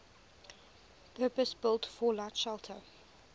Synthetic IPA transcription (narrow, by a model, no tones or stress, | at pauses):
pʰɜːpəsb̥ɪlˠtfɔlatʃɛlˠtʰə̰